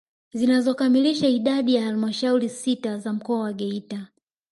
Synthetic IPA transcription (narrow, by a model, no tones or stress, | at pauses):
zinazɔkamiliʃaiɗaɗijahalimaʃauɾisitazam̩kɔawaɠɛita